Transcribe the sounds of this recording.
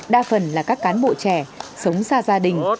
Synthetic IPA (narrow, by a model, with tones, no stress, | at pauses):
ɗaː˧fə˨˩nlaː˨˩kaː˦˥kːaː˨˦nɓo̰˧˨t͡ɕɛ˧˩sə˨˦wŋ͡msaː˧zaː˧ɗï˨˩ŋ̟